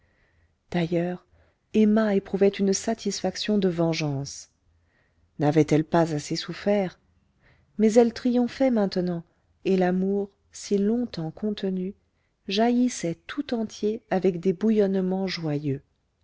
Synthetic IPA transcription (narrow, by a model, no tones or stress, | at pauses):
d̪̥ajœʁ | ɛmaepχuvɛt̪ynsat̪ʰisfaksjɔ̃d̪əvɑ̃ʒɑ̃s | navɛt̪ɛlpazasesufɛːʁ | mɛzɛlt̪χijɔ̃fɛmɛ̃t̪nɑ̃ | elamuʁ | silɔ̃t̪ɑ̃kʰɔ̃t̪əny | ʒajisɛt̪ʰut̪ɑ̃t̪jeavɛkd̪ebujɔnmɑ̃ʒwajø